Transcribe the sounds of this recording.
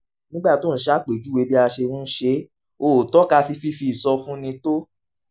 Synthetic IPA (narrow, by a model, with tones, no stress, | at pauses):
nĩ˦ɡ͡ba˦˨to˦n̩˨ʃa˦˨k͡pe˨d͡ʒu˦we˧˦bi˦a˧ʃe˧wũ˦ʃe˧˦ | o˨tɔ˦ka˧si˧fi˧˦fi˧˦i˨sɔ˧fũ˦nĩ˧to˦